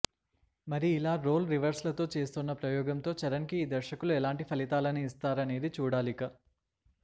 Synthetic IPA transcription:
mɐɾiːlaːɾo̞ːlɾiʋɐɾslɐt̪o̞ːt͡ʃe̞ːst̪unːɐpɾɐjɔːɡɐmt̪o̞ːt͡ʃɐɾɐnkiːd̪ɐɾʃɐkuluɛlaːɳʈipʰɐlit̪aːlɐniːst̪aːɾɐne̞ːd̪it͡ʃuːɽaːlikaː

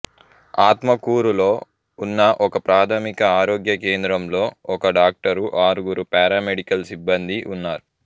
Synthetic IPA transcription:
aːt̪mɐkuːɾulo̞ː | unːɐʔɔkɐpɾaːt̪ʰɐmikɐaːɾoːɡjɐkeːnd̪ɾɐmlo̞ːɔkɐɖaːk̚ʈɐɾuʔaːɾuɡuɾupɛːɾaːmeɖikɐlsibːɐnd̪iʔunːaːɾu

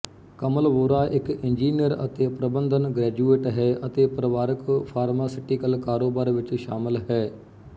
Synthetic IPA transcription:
kəməlʋoːɾaːʔɪkɪnd͡ʒiːnijəɾə̰t̪eːpɾəbə̃nd̪ʱənɡɾɛːd͡ʒuːeːʈɦɛːʔət̪eːpɾəʋaːɾɪkpʰaːɾmaːsɪʈikəlkaːɾoːbaːɾʋɪt͡ʃʃaːmɪlɦɛː

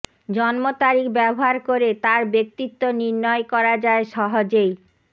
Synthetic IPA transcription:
d͡ʑɔnmot̪aɾikbɛboɦaɾkoɾet̪aɾbek̚t̪it̪ːoniɾnɔekɔɾad͡ʑaeʃɔɦod͡ʑej

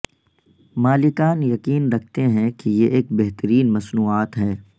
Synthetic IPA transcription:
maːlɪkaːnjɐkiːnɾɐk̚ʰt̪eɦɛ̃kijeʔeːk̚beɦt̪əɾiːnmɐsnuːaːt̪ɦɛː

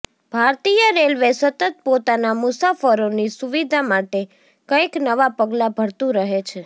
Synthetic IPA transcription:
b̥ʱaɾt̪ijəɾelʋesət̪ət̪̚pot̪anamʊsafəɾonisuʋid̪ʱamaʈe | kəiknəʋapəɡlabʱəɽt̪ũɾəɦet͡ʃʰe

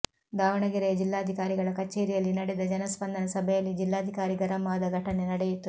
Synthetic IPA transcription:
ɡ̪aːʋɐɳɐɡiɾejɐd͡ʒilːaːɐd̪ʱikaːɾiɡɐɭɐkɐt͡ʃːeːɾijɐlːinɐɽɛd̪ɐd͡ʒɐnɐspɐnd̪ʱɐnɐsɐbʱɛjɐlːid͡ʒilːaːd̪ʱikaːɾiɡɐɾɐmaːd̪ɐɡʱɐʈɐnenɐɽejut̪ːu

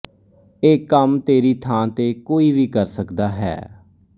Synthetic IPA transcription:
eːkːəmt̪eːɾiːt̪ʰãːt̪eːkoːiːʋiːkəɾsəkd̪aːɦɛ̰ː

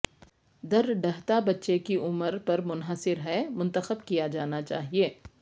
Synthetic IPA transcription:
d̪ɐɾɖɐɦt̪abɐtːʃekiʔʊməɾpɐɾmʊnɦəsɪɾɦɛmʊ̃nt̪əxəbkijad͡ʒaːnat͡ʃa̰ːɦieː

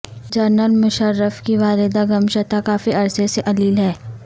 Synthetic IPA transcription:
d͡ʒɐɾnəlmʊʃəɾːəfkiʋaːlɪd̪aɡɐmʃɐt̪akaːfiɐɾseseʔɐliːlɦɛː

